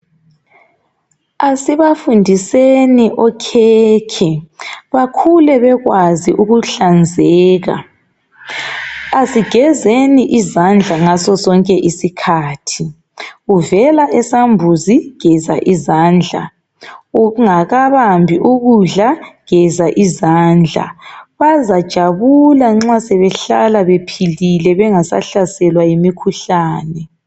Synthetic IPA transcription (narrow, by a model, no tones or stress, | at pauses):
asiβafundʱiseniʔɔkʰɛkʰɛβakʰulɛβɛɣwaziʔuɣuɬand͡zʱɛːɣa̰ | asiɡ̥ʱɛzeniʔizand͡ɮʱaŋasɔsɔŋkʼɛʔisikʰaːtʰi | uvɛlaʔɛsambʱuziɡ̥ʱɛza̰ʔizaːnd͡ɮʱa̰ | uuŋaɣaβambʱiʔuɣuɮaɡ̥ɛzaʔizaːnd͡ɮʱa̰βazad̥ʒ̥ʱaβulaŋ͡ǁasɛβɛɬalaβepʰililɛβɛŋasa̰ɬasɛlwajimikʰuɬaːnɛ